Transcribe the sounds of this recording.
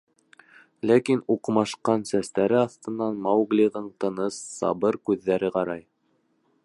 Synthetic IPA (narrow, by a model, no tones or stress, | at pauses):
lækinuqmɑʃqɑnsæst̪æɾɘɑθt̪ɤ̆nːɑnmɑwɡlʲiʁɤɴt̪ɤ̆nɤsːɑ̰bɤɾkʉðːæɾɘqɑɾɑj